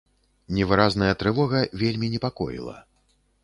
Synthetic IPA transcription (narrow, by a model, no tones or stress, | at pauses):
nʲɛvɨɾaznɐjɐt̪ɾɨvɔɣɐvʲelʲmʲinʲɛpakɔ̰jḭlˠɐ̰